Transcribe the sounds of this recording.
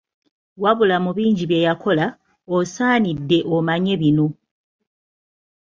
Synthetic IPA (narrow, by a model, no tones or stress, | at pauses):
waβulamuβiːɲɟiβje̞jakʰo̞la | osaːnidːe̞ʔomaɲe̞βino̞